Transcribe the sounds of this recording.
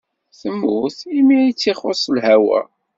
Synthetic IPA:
θəmːuθimiit͡sːiχosˤlɦæwæ̰

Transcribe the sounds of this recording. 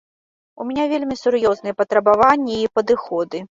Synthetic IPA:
umʲɛnʲavʲelʲmʲisʊɾjɔznɨjɛpɐt̪ɾɐbavanʲːɐipɐd̪ɨxɔd̪ɨ

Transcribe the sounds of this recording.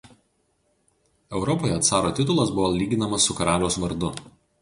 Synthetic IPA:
ɛʊɾɔpoːjɛɐt̪sɑːɾoːt̪ʲɪt̪ʊlˠɐsbʊʋolʲiːɡʲɪnɐmɐsːʊkɐɾɑːlʲoʊsʋɐɾd̪ʊ

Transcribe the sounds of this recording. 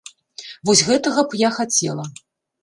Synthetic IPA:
vɔsʲɣɛt̪ɐɣɐpjaxat͡sʲɛlˠɐ

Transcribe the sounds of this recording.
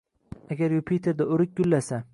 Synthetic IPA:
aɡʲaɾjopʰit̪ʰeɾd̪aʊɾɪk̚ʲɡʲʊlːasa

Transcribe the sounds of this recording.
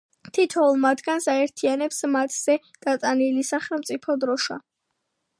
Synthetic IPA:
t̪ʰit̪ʰɔulˠmat̪ʰɡansaɛɾt̪ʰianɛpsmat̪ʰz̥ɛ | d̪̥at̪sʼanilisaχɛlˠmt̪sʼipʰɔd̪ɾɔʃa̰

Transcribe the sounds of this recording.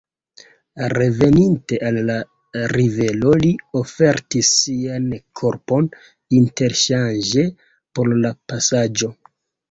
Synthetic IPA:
re̞ve̞ninte̞ʔalːa | ɾive̞lo̞lio̞fe̞ɾtisːiankʰo̞ɾpo̞n | inte̞ɾʃand͡ʒe̞ | po̞ɾlapasad͡ʒo̞

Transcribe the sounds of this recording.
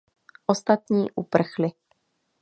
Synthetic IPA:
ʔost̪at̪ɲiːʔupr̩xlɪ

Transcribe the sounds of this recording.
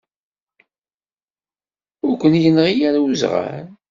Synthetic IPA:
ʊɾkʷːənjənʁijaɾauzʁa̰ɾɾ

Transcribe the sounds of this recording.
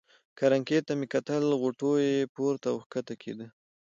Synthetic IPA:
kaɾaŋket̪amekat̪əlɣoʈojepoɾt̪awxkat̪akʰḛd̪ə

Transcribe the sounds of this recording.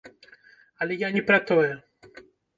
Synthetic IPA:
ɐlʲɛjanʲɛpɾɐt̪ɔjɛ

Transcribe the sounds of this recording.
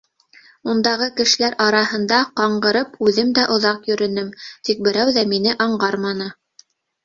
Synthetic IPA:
und̪ɑʁɤkɘ̆ʃɘ̆læɾʔɑɾɑɦɤ̆nd̪ɑqɑɴɢɤ̆ɾɤpʉðɘmd̪æʔŏðɑqjɵ̆ɾɵ̆nɘmt̪ik̚bɘ̆ɾæwðæmin̪ɘʔɑɴɢɑɾmɑnɤ

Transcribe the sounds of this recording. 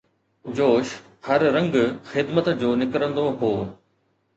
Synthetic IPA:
d͡ʑoːʃ | hɐɾːɐ̃ŋɡxɪd̪mət̪d͡ʑoːnɪkɾə̃nd̪oɦoː

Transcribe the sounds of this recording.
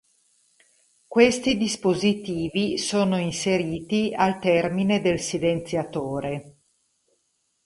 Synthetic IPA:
kwest̪id̪ispozit̪iːvisoːnoinseɾiːt̪ialt̪ɛrmined̪elsilent̪sjat̪oːɾe

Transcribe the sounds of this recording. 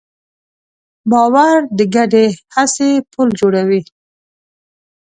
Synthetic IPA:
bɑwaɾd̪əɡaɖehasepʰuld͡ʒoɽawi

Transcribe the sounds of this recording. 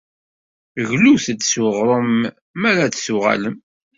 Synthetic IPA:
ɣluθd̪sʊʁɾˤəmː | æɾadsʊʁa̰ləm

